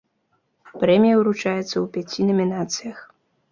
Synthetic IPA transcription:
pɾɛmʲijɐwɾut͡ʂajɛt̪sːɐwpʲat͡sʲinɐmʲinat̪sɨjɐx

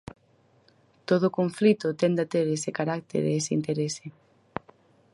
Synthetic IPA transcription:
t̪oð̞oʊkoɱflit̪ʊt̪end̪at̪eɾesekaɾak̚t̪ḛɾeeseḭnt̪eɾese

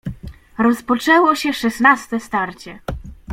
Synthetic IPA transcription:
ɾɔspɔt͡ʂɛwɔɕɛʂɛsnast̪ɛst̪aɾt͡ɕɛ

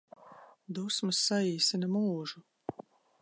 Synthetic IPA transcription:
d̪usmɨsːaiːsinɐmuːʒu

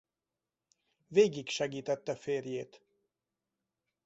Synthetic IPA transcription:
veːɡikʃɛɡiːt̪ɛt̪ːɛfeːrjeːt̪

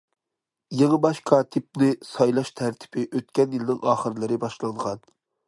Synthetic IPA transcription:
jeŋəbɑʃqʰɑt̪ʰɪp̚nɪsɑjlˠɑʃt̪ʰæɾt̪ʰɪ̥pɪʔøt̪̚kʲɛnjilɪnɪŋʔɑːχəɾlˠɨɾɪbɑʃlˠɑɴʁɑn

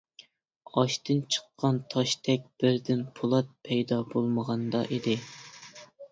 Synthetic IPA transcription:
ɑʃt̪ɨnt͡ʃʰə̥qːɑnt̪ʰɑʃt̪ʰɛk̚ʲb̥ɪɾd̪ɪnpʰulˠɑt̪̚pʰɛjd̪ɑbolˠməʁɑnd̪ɑ̰ʔid̪ɪ

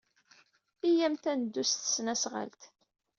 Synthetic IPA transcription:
ijæmt̪ænəd̪ːust̪ə̥snæsʁa̰lt̪

